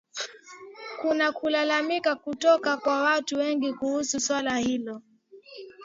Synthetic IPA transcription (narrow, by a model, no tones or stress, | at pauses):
kunakulalamikakutɔkakwawatuwɛŋɡikuhususwalahilɔ